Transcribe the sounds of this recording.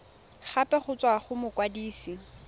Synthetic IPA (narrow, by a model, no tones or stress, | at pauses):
χapʼɛχʊt͡sʼwaχʊmʊkʼwadiːsi